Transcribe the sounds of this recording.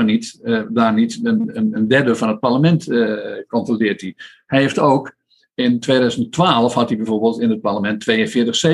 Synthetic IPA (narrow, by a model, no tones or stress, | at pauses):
nitdaːnitənənəndɛdəvɔnət̚parləmɛntkɔntrolɪət̚i | hɛjheftoːk | ɪntʋeːdœzənttʋaːlˠəfhɔtibɛjvoɹbəːlˠtɪnət̚parləmɛntʰːʋeːənfɪːtəxse